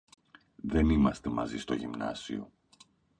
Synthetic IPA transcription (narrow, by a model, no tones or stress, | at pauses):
ðe̞nimɐst̪e̞mɐ̰zist̪o̞ʝimnɐ̰sio̞̰